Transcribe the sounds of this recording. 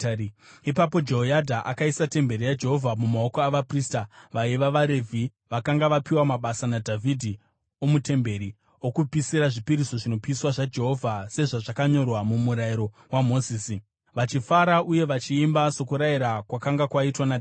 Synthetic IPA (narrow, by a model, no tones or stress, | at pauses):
ipapo̞d͡ʒeɦojadʱaʔakaisate̞mbe̞ɾijad͡ʒe̞ɦo̞vʱamumao̞koaʋapristaʋaiʋaʋaɾe̞vʱi | ʋakaŋɡaʋapiwamaɓasanadʱavʱidʱi | omute̞mbe̞ɾi | okupisiɾaʐipiɾiso̞ʐino̞piːswaʐad͡ʒe̞ɦo̞vʱase̞ʐaʐakaɲo̞rwamumuɾajiɾo̞ | wamo̞ziːsi | ʋat͡ʃifaɾaʔuje̞ʋat͡ʃiːmbaso̞kuɾaiɾakwakaŋɡakwaitwanad